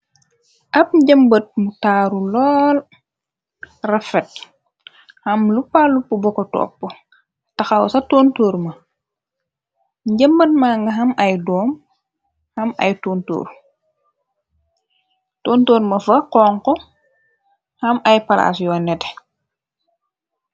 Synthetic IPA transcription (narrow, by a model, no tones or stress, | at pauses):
ʔɐp̚ɟəmbət̚mutaːɾulɔːl | rɐfɛt̚ | hɐmlupalupːubɔkɔtɔ̰pːə | tɐxɐwsɐtoːntoːɾmɐ | ɟəmbət̚maːŋɡɐɦɐmɐjdɔːm | hɐmɐ̰jtoːnto̰ːɾ | toːntoːɾmɐfɐqɔːŋkɔ | hɐmɐjpɐla̰sjɔːnɛtɛ